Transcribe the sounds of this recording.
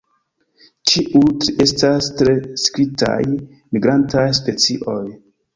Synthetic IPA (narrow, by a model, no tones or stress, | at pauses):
t͡ʃiʔute̞stastɾe̞skɾita̰j | miɡɾantajspe̞t͡siʔo̞j